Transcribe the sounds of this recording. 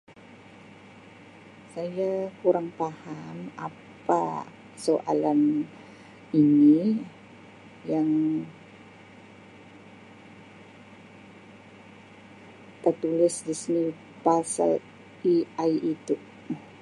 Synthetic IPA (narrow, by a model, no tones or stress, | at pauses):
sajakuɾaŋpahama̰ | pa̰ | soʔa̰lan | ini | jaŋ | t̪ərt̪ulɪsdisini | pasa̰l | iajʔit̪u